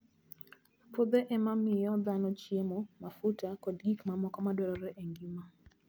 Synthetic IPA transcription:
pod̪eʔɛmamɪjɔd̪anɔt͡ʃjemɔmafutakɔdɡikmamɔkɔmadwɛɾɔɾɛʔeŋɡima

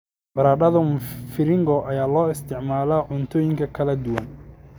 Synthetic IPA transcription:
bɐɾaːɖɐðɐfɪɾɪŋɡɔʔɐjaːlɔːɪst̪ʰɪʕmaːlaʕʊnt̪ʰɔːjɪŋkʰɐkʰɐlɐd̪ʊwɐn

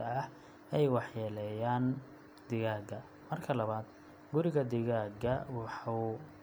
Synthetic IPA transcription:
ɐɐh | ɛjwɑħjɛlɛjaːn | d̪̥ɪɣaːɡɐ | mɐrkʰɐlɐβaːd̪ | ɡʊɾɪɣɐd̪ɪɣaːɡɐwɑħɑw

